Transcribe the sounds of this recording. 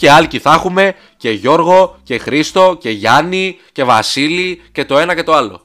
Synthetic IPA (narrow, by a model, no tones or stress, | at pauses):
ce̞ɐlciθɐxume̞ | ce̞ʝo̞ɾɣo̞ce̞xɾist̪o̞ce̞ʝɐnice̞vɐ̰silice̞t̪o̞e̞nɐce̞t̪o̞ɐlo̞̰